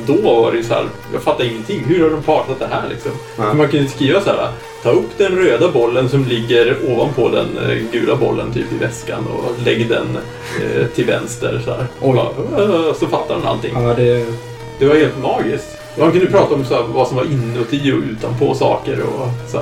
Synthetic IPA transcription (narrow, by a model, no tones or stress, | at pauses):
d̪ɔva̰ɾɛjɵsɔhæ̰ːɾ | jɑ̰ːɡfat̪ːaɾɪŋːənt̪ʰɪŋːɦɵɾhaɖɔmpʰɑːʈat̪̚d̪ɛɦæ̰ːɭʔɪ̰ksɔm | ɔmankʰɵnd̪əskɾiːvashæːɾa̰ | t̪ʰɑːɵpːd̪ɛnɾøːd̪abɔlːənsɔmlɪɡːəɾoːvanpʰɔd̪ɛ̰nɡʉ̟ːlabɔ̰lːə̰nt̪ʰy̰ːpɪvɛska̰nɔ̰lɛɡːd̪ɛ̰n | t̪ʰɪlvɛ̰nst̪ə̰ɾsɔdæːɾhɔa̰sɔfat̪ːad̪ɛna̰lt̪ɪ̰ŋd̪ɛ | d̪̥ɛvaɾheːlt̪mɑːɡɪskt̪ | ɔhankɵnəpʰɾɑːt̪aɔmsɔæːɾvasɔmvaɾʔɪnːəɔt̪ʰiɔʉ̟ːt̪anpʰɔsɑ̰ːkəɾɔ̰sɔæɾ